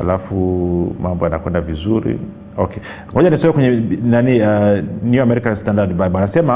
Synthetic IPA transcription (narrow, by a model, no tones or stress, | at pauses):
a̰lafumambɔjanakwɛndavizuɾḭ | ɔkɛ | ŋɔʄanisɔɛkwɛɲɛnanianjuamɛɾikanstandadbabanasɛma